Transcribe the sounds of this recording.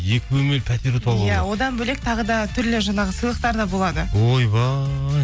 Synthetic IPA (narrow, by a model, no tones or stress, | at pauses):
jekʲɪwɵme̞lpʰæt̪eɾt̪ʰɑlˠjæwo̞d̪ɑnbɵle̞k̚t̪ʰɑʁəd̪ɑt̪ʰʏɾlɪʒɑnɑʁəsəjlˠəq̚t̪ɑɾd̪ɑbo̞lˠɑd̪əojbɑ